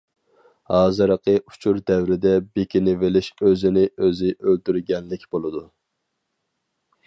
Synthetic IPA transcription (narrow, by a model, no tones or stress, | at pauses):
hɑːzɨɾəqəʔu̥t͡ʃʰuɾd̪ɛwɾɪd̪ɛbekʲinɪvɪlɪʃøzɪnɪøzɪʔølt̪yɾɡʲɛnlɪkʲb̥olˠɨd̪u